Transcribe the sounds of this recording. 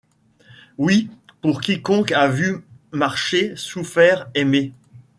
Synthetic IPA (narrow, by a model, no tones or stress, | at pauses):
wipuʁkʲikɔ̃kavymaʁʃesufɛʁeme